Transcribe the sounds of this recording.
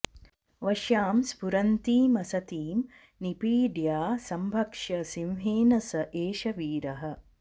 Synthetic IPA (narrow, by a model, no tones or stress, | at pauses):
ʋɐʃjaːmspuɾɐnt̪iːmɐsɐt̪iːm | nipiːɖjaːsɐmbʱɐkʂɐsiwɦeːnɐsɐʔeːʃɐʋiːɾɐɦɐ̆